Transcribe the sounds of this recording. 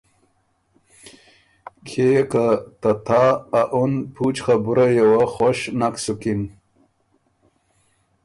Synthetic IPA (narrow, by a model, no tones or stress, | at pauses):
kʰekat̪at̪ʰaːʔunpʰut͡ɕχabuɾajewaxoɕnaksukin